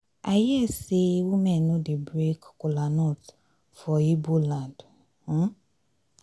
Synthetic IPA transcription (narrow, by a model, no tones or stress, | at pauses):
ajɛsewumɛnʊdɪbɾekkʊlanɔt | fɔibulãnd | h̩